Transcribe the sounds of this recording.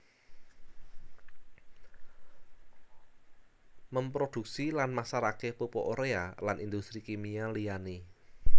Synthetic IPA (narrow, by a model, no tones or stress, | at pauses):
məmpɾod̪̥ṳk̚silanmasaɾakepupoʔoɾea̰lanʔind̪ust̪ɾikemialijani